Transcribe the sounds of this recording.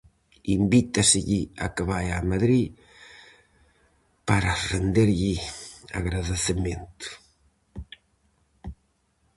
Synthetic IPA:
imbit̪aseʎia̰kəβajamaðɾi | paɾarend̪eɾʎia̰ɣɾaðeθement̪u̥

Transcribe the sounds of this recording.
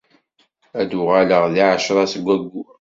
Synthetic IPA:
æd̪ʊʁæləʁðiʕəʃɾˤɑsəɡʷːæɡːu

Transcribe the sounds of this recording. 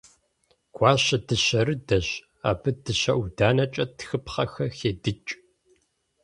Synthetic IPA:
ɡʷʰɑːɕɐdɨɕɐɾɨdɐɕ | a̰ːbɨdɨɕɐʔʷudaːnɐt͡ʃʼɐtxɨpχɐxɐxeːdɨt͡ʃʼ

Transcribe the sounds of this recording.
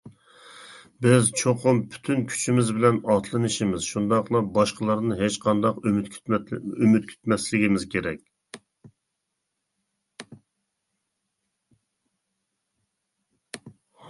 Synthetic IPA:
bɪzt͡ʃʰoqʰʊmpʰy̥t̪ʰynkʲʰy̥t͡ʃʰimɪzbɪlɛnɑt̪ʰlˠɨnɨʃimɪz̥ʃund̪ɑqlˠɑbɑʃqəlˠɑɾnɨɦet͡ʃqʰɑnd̪ɑqymt̪ʲ | ymyt̪̚kʲʰy̥t̪mɛslɪɡʲimɪzkʲʰeɾɛkʲ

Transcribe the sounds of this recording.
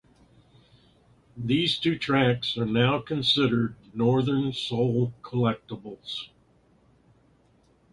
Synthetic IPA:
ðiz̥tʰʉtʰɹ̥æksə˞naʊkʰɨ̃nsɪɾə˞dⁿnɔɹðə̃˞nsoʊlˠkʰəlɛk̚təbl̩ˠz̥

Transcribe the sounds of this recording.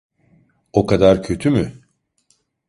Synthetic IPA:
o̞kʰad̪aɾcʰø̞t̪ʰymy

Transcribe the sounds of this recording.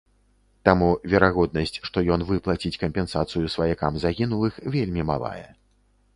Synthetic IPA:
t̪amuvʲɛɾaɣɔd̪̚nɐsʲt͡sʲʂt̪ɔjɔnvɨplˠat͡sʲit͡sʲkɐmpʲɛnsat̪sɨjusvɐjakamzaɣʲinulˠɨxvʲelʲmʲima̰lˠa̰jɛ̰

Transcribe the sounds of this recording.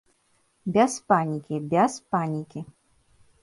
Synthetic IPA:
bʲaspanʲikʲibʲaspanʲikʲi

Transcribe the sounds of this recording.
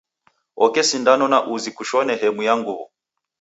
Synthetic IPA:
ɔkɛsindanɔnaʔuzikuʃɔnɛɦɛmujaŋɡuβɔ̰

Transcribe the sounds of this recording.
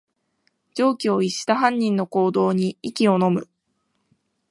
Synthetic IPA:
d͡ʑo̞ːkʲio̞iɕi̥t̪aɦãɲ̟ʲːĩnːo̞ko̞ːd̪o̞ːɲ̟iikʲio̞no̞mɯ̟

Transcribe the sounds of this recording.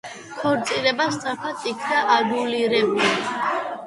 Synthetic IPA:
kʰɔɾt̪sʼiɾɛbasd̪ʼapʰat̪ʼikʰd̪aʔad̪uliɾɛmu

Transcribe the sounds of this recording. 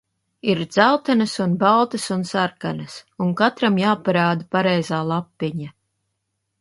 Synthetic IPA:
iɾd̪z̥alt̪anɐsunbalˠt̪ɐsunsaɾkanɐsuŋkat̪ɾamjaːpaɾaːd̪apaɾɛjzaːlˠapːiɲa

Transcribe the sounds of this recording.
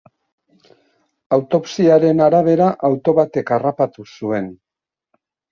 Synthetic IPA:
awt̪o̞psiaɾe̞naɾaβ̞e̞ɾaʔawt̪o̞βat̪e̞karapat̪usue̞n

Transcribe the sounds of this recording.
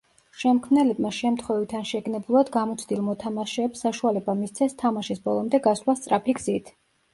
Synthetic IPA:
ʃɛmkʰmnɛlɛbmaʃɛmt̪ʰχwɛvit̪ʰanʃɛɡnɛbulˠad̪ɡamɔt̪sʰd̪ilˠmɔt̪ʰamaʃɛːpsːaʃualɛbamist̪sʰɛst̪ʰamaʃisbɔlˠɔmd̪ɛɡaslast̪sʼɾapʰiɡz̥it̪ʰ

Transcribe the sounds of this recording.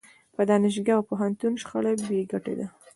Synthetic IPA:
pəd̪ɑnɪʃ̬ɡaawpoɦant̪unʃxalakbeɡaʈḛd̪a

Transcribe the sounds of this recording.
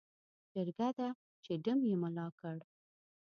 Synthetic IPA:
d͡ʒəɾɡad̪a | t͡ʃeɖəmjeməlɑkəɽ

